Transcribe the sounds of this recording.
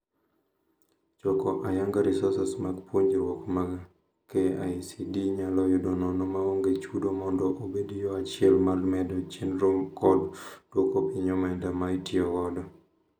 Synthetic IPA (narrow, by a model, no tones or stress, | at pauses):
t͡ʃɔkɔʔajaŋɡaɾɪsɔsɛsmaɡpwoɲd͡ʒewɔkmaɡ | keajsidiɲalɔjʊdɔnɔnɔmaoŋɡet͡ʃudomɔndɔʔobedijɔat͡ʃɪɛlmalmɛdɔt͡ʃenɾoŋkɔdd̥wokopiɲɔmɛdamaitiɔkɔdɔ